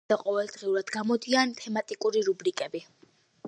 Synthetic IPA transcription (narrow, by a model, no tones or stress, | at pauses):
aqʼɔvɛlˠd̪ʁiuɾad̪ɡamɔd̪iant̪ʰɛmat̪ʼikʼuɾiɾubɾikʼɛbi